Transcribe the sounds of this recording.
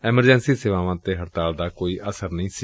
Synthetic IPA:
ɛːməɾd͡ʒɛ̃nsiːseːʋaːʋãːt̪eːɦəɾt̪aːld̪aːkoːiːʔəsəɾnəĩːsi

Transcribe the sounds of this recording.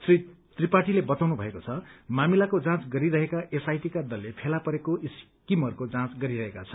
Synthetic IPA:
sri | t̪ripaʈilebʌt̪awnubʱʌekot͡sʰʌmamilakod͡zãt͡sɡʌɾiɾʌɦekaʔesajʈikad̪ʌlːepʰelapʌɾekoʔis | kimɦʌrkod͡zãt͡sɡʌɾiɾʌɦekat͡sʰʌ

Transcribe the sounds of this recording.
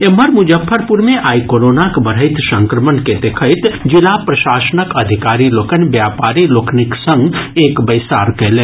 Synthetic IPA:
eməɾmʊd͡ʒəfʰːəɾpuɾmẽʔaːjkoːɾoːnakbɐɽ̤əɪt̪sɐ̃ŋkɾəmənked̪ekʰəɪt̪d͡ʒɪlapɾɐʃaːsənəkɐd̪ʱikaːɾiloːkənbjaːpaːɾiloːkʰniksə̃ŋɡeːkbɐjsa̰ːɾkelẽː

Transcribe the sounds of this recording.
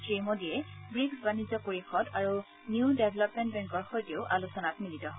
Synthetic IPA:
tɹimodijɛbɹiksbanizɔpoɹixɔdaɹu | njuʊdebʱɛlɔpmɛ̃ntbɛŋkɔɹxɔjtioʊʔalusɔnatmilitɔɦ

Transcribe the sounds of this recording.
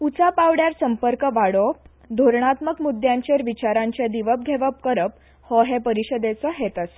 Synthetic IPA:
ut͡sapaʋɽjaɾsəmpəɾkəʋaɽop | d̪ʱoɾɳat̪məkmud̪jãɲt͡ɕeɾʋit͡ɕaɾãɲt͡ɕed̪iʋəp̚ɡʱeʋəp̚kəɾəp̚ | hɔɦepəɾiɕəd̪et͡səɦet̪əs

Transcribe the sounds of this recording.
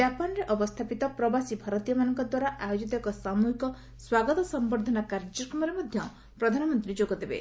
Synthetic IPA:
d͡ʒapɔnɔɾeʔɔbɔst̪ʰapit̪ɔpɾɔbasibʱaɾɔt̪ijɔmanɔŋkɔd̪waɾaʔajod͡ʒit̪ɔɔkɔsamuɦikɔ | swaɡɔt̪ɔsɔmbɔɾd̪ʱɔnakaɾd͡ʒɔkɔmɔɾemɔd̪ʱjɔ | pɾɔd̪ʱanɔmɔnt̪ɾid͡ʒoɡɔd̪ebḛ

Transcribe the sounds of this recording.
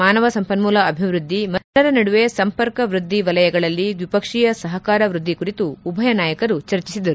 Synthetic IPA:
aːnɐʋɐsɐmpɐnmuːlɐːbʱiʋɾud̪ʱːimɐɐɾɐnɐɽuʋesɐmpɐɾkɐʋɾud̪ʱːiʋɐlɐjɐɡɐɭɐlːiʋipɐkʂijɐsɐɦɐkaːɾɐʋɾud̪ʱːikuɾit̪uːbʱɐjɐnaːjɐkɐɾut͡ʃɐɾt͡ʃisid̪ɐɾu

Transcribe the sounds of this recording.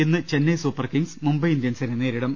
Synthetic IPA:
enːɨt͡ɕenːɐjsuːpːɐrkiŋsmumbɐjind̪jɐnsɐnɐneːɾiɽɐm

